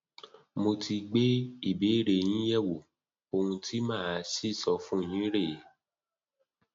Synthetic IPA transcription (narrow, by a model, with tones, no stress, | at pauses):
mo˧tʰi˧ɡ͡be˦i˦˨be˨˦˨ɾe˨j̃ĩ˦jɛ˦˨wo˨ | o˧ũ˧tʰi˦mãː˦˨a˨˧˦si˦˨sɔ˧fũ˦˨j̃ĩ˨˦ɾe˦˨je˨˦